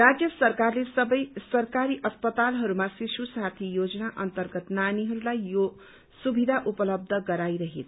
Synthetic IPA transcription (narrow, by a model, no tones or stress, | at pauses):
rad͡zjʌsʌrkarlesʌbʌjsʌrkaɾiʔʌspʌt̪alɦʌɾumasisusat̪ʰijod͡zʌnaʔʌnt̪ʌrɡʌt̪naniɦʌɾulajjo | subʱid̪ʱaʔupʌlʌb̚d̪ʱʌɡʌɾajɾʌɦet̪ʰ